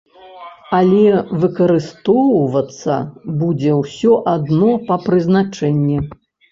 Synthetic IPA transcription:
alʲɛvɨkɐɾɨst̪ɔwvɐt̪sːɐ̰bud͡zʲɛwsʲɔʔad̪nɔpɐpɾɨznat͡ʂɛnʲːi

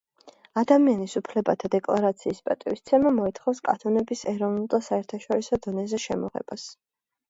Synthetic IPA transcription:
ad̪amianisupʰlɛbat̪ʰad̪ɛkʼlˠaɾat̪sʰiːspʼat̪ʼivist̪sʰɛmamɔit̪χɔfskʼanʰɔnɛbisɛɾɔvnulˠd̪asaɛɾt̪ʰaʃɔɾisɔd̪ɔnɛzɛʃɛmɔʁɛ̰b̥as

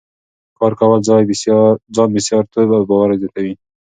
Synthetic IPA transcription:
kɑɾkawalzɑjbd͡ʒɑnbɪsjɑɾt̪ʰobabɑwaɾazet̪ʰawi

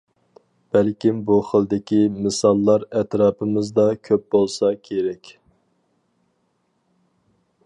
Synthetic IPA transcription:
b̥ælkʲimbuχəlˠd̪ɪkʲimɨsɑlˠːɑɾɛt̪ɾɑːpʰɨmɨzd̪ɑkʲʰøp̚bolˠsɑkʲʰeɾɛkʲ

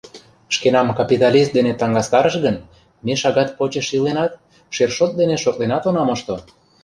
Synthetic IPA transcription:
ʃkenɑmkɑpʲit̪ɑlʲist̪d̪enet̪ɑŋɡɑst̪ɑɾəʃɣən | meʃɑɣɑt̪̚pot͡ɕəʃilenɑt̪ | ʃerʃot̪̚d̪eneʃok̚lenɑt̪onɑməʃt̪o

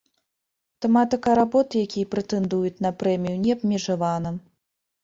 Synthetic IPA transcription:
t̪ɛmat̪ɨkɐɾabɔt̪ɨjakʲijɐpɾɛt̪ɛnd̪ujut͡sʲnɐpɾɛmʲijunʲɛɐbmʲɛʐavanɐ

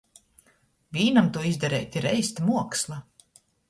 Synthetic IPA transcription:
vʲiːnamt̪uɔizd̪ɛɾɛ̰jt̪ʲiɾɛjst̪ʲmuɔkslˠa

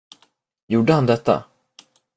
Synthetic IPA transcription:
juːɖəhand̪ɛt̪ːa̰

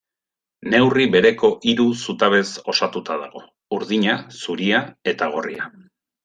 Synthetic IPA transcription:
ne̞wriβe̞ɾe̞ko̞ʔiɾusut̪aβe̞so̞sat̪ut̪aðaɣ̞o̞ | uɾðiɲasuɾiae̞t̪aɣ̞o̞ria

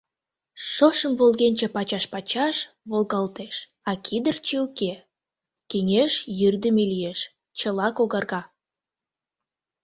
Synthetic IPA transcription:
ʃoʃəmvolɣenʲt͡ɕepɑt͡ɕɑʃpɑt͡ɕɑʃ | βolɣɑlt̪eʃ | ɑkʰid̪ərt͡ɕeuke | keŋeʃjyrd̪əmelijeʃ | t͡ɕəlɑkoɣɑrɣɑ

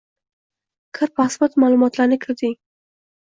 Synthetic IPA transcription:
kʰəɾpɑsbat̪mɑlumɑt̪lanɪkʰəɾd̪i

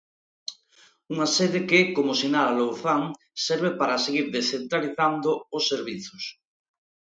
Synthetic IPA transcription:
uŋaseðɪkɪkomosinaɾalowθaŋ | sɛɾβepaɾaseɣiɾðesent̪ɾaliθand̪ʊosːeɾβiθos

